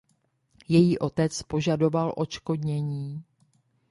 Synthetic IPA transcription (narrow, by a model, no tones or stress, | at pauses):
jɛjiːʔo̞t̪ɛt͡spo̞ʒado̞valʔo̞t͡ʃko̞dɲɛɲiː